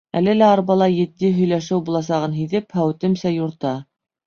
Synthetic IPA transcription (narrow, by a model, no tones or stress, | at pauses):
ælɘlæɑɾbɑlˠɑjɘ̆t̪̚ːiɦɵ̆jlæʃɘwbulˠɑs̬ɑʁɤnɦiðɘphæwt̪ɘ̆msæjuɾt̪ɑ